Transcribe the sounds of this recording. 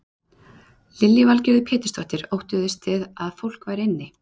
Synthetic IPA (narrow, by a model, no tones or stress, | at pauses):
lɪljɪvalcɪɾðʏpʰɛːt̪ɪ̥st̪ɔht̪ɪɾowht̪ʏðɪst̪ʰɪðaðfowl̥kvaːjɾɪnːɪ